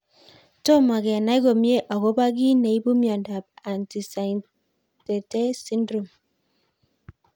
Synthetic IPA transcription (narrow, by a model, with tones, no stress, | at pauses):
to˦ma˨ɡɛ˨na˦i˦ɡo˨mje˦ʔa˨ko˦ba˦ɡi˦ne˨i˦bu˦mja˨nda˨b̚a˨nti˨sa˨n | te˨te˦si˦ndɾo˨m